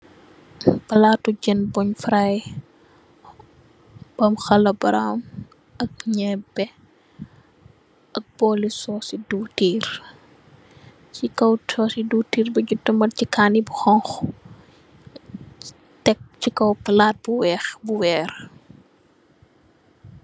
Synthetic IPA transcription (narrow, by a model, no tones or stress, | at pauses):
pɐlaːtuɟɛnbɔɲfɾaj | b̥ɐmxɐlɐbɐɾa̰m | ʔɐk̚ɲɛbɛ | ʔɐk̚b̥ɔːlisɔːsiduːtiːɾ | cikɐwsɔːsiduːtiːrbɐɟutːɐmɐcikaːnibuxɔŋx | tɛk̚cikɐwpɐlaːt̚buwɛːxbuwɛːɾ